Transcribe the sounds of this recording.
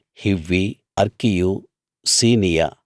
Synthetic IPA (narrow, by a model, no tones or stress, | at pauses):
hiʋːi | ɐɾkiju | siːnijɐ̰